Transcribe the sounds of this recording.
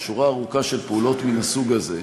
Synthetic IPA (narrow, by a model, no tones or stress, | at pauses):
ʃuʁaːʁukaʃe̞lpeulo̞tminasuɡaze̞